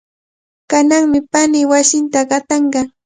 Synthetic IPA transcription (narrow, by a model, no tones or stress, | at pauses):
kanaŋmɪpanɪwasɪnt̪aɢɑt̪ɑɴɢɑ